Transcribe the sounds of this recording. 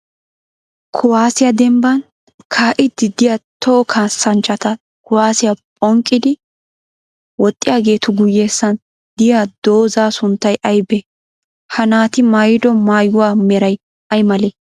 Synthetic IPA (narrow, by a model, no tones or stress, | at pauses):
kʰʊwaːsɪjɐd̪ɛmbɐn | kʰaːʔɪd̪ɪd̪ɪjat̪ʰɔːkʰasɐnt͡ʃʼːɐt̪ɐ | kʊwaːsɪjapʼɔŋkʼːɪd̪ɪ | wɔt̪ʼːɪjaːɡe̞ːt̪ʊɡʊje̞ːsːɐn | d̪ɪjad̪̥o̞ːzaːsʊnt̪ːɐjʔɐjbɛ | hɐnaːt̪ɪmaːjɪd̪ɔmaːjʊwaːmɛɾɐj | ɐjmɐleː